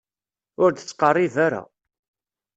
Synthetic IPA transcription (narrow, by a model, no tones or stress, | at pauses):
ʊɾd̪ət͡sːqɑrˤːiðaɾa̰